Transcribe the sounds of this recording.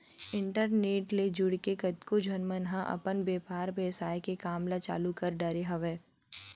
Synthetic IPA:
ɪ̃ɳʈəɾneːʈled͡ʒʊɽkekɐt̪kod͡ʒʱɐnmənɦãʔɐ̰pənbeːpaːɾbeːsaːjkekaːmlat͡ʃa̰ːlukəɾɖəɾeɦɐʋeː

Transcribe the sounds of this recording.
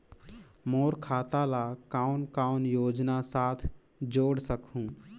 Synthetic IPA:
moːɾkʰaːt̪alakaːʊnkaʊnjoːd͡ʒnasaːt̪ʰ | d͡ʒoːɽsəkʰũː

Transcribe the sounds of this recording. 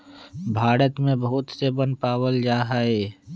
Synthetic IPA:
bʱaːɾət̪mẽbəɦʊt̪sebə̃npaːwəld͡ʒaːɦaɛː

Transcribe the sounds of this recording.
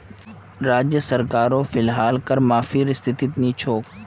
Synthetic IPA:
ɾaːd͡ʑjəsɐɾkaːɾofɪlɦaːlkɐɾmaːfiɾɪst̪ʰɪt̪it̪niːt͡ʃʰoːk

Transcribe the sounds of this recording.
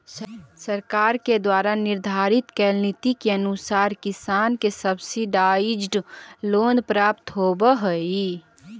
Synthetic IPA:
səɾkaːɾked̪waːɾanɪɾd̪ʱaɾit̪kɛlnit̪ikeənusaːɾkɪsaːnkesəbsiɖaid͡ʒɖloːnpɾaːpt̪ɦobəɦəi

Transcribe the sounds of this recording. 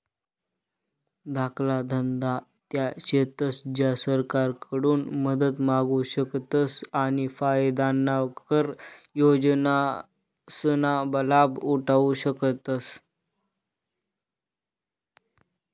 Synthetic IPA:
d̪ʱakʰlad̪ʱənd̪a | t̪jaɕet̪əsd͡ʑjasəɾkaɾkʰəɽuːnməd̪ət̪maɡuɕəkt̪əsañifajd̪anːakəɾjod͡ʑna | sənabəlabuʈʰauɕəkət̪əs

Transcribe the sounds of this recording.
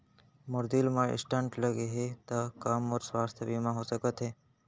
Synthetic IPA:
mʊɾd̪ilmãɪ̰sʈəɳʈləɡeɦet̪əkamɔːɾsʋaːst̪ʰjəbimãɦosəkət̪ɦeː

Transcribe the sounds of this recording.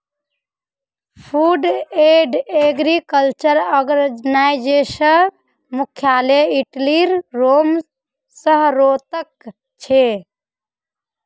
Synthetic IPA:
pʰuɖeɖeɡɾikəlt͡ʃəɾɔɡnajd͡ʒesə | mukʰjaleiʈliɾːom | səɦɾot̪ək | t͡ʃʰe

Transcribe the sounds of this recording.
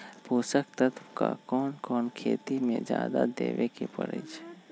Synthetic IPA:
puːsəkt̪ət̪kakɔːnkɔːnkʰeːt̪imẽd͡ʒjaːd̪ad̪eːʋekepə̰ɾə̰t͡ʃʰː

